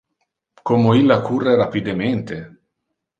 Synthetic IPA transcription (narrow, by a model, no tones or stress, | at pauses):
komoilːakurːeɾapid̪ement̪e